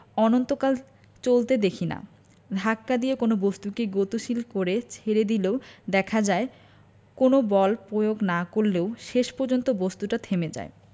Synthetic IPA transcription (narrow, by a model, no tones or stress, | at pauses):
ɔnont̪okal | t͡ɕolt̪ed̪ekʰina̰ | d̪ʱakːad̪iekonobost̪ukeɡot̪uʃilkoɾet͡ɕʰeɾed̪ilewd̪ɛkʰad͡ʑae | konobɔlpɾojoɡnakolːewʃeʃpɔɾd͡ʑont̪obost̪uʈat̪ʰemed͡ʑa̰e